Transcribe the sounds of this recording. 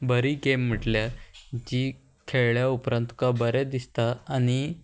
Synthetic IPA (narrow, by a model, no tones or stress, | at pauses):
bəɾiːɡem̤ːəʈljad͡ʑiː | kʰeɭɭjaupɾə̃nt̪kabəɾɛd̪ist̪aañi